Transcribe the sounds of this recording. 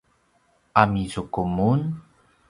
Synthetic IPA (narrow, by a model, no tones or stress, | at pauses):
ʔamizukumun